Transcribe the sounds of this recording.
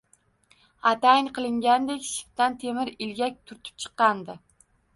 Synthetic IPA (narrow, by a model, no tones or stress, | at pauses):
at̪aɪŋqʰɨlˠɪŋɡʲand̪ekʲʃɪ̥ft̪ant̪ʰemɪɾɪlɡʲak̚ʲt̪ʰʊɾt̪ʰɪ̥p̚t͡ʃʰɨ̥qːɑnd̪ɪ